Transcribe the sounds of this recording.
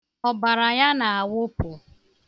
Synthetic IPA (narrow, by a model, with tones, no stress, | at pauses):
ɔ˨ba˨ɾa˨ja˦na˨a˨wʊ˦pʊ˨